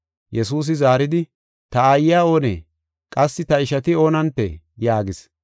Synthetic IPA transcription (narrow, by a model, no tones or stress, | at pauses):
jɛsuːs̬ɪzaːɾɪd̪ɪ | t̪ɐajːaːo̞ːnḛː | kʼɐsːɪt̪ɐɪʃɐt̪ɪo̞ːnɐnt̪ːḛ | jaːɡɪs